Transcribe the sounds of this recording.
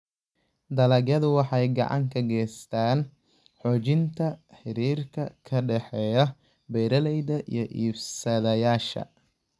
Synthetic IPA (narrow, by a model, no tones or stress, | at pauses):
d̪ɐlɐɡjɐðʊwɑħɑjɡɑ̰ʕɑ̰ŋkʰɐɡɛːst̪ʰaːn | ħɔːt͡ʃɪnt̪ʰɐħɪɾiːrkʰɐkʰɐɖɛħɛːjɐ | bɛjɾɐlɛjðɐʔḭjɞʔiːbsɐðɐjaːʃɐ̰